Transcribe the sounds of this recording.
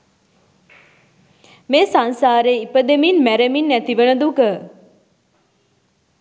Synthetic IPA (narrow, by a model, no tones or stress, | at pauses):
meːsansaːɾeːipəd̪eminmæɾeminːæt̪iʋənəd̪ukə